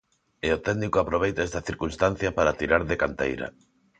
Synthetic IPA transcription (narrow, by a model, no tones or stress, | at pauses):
eot̪ɛɡnikʊapɾoβ̞ejt̪aɛst̪ɐθiɾkunst̪an̟θjɐpaɾat̪iɾaɾðekant̪ḛjɾɐ̰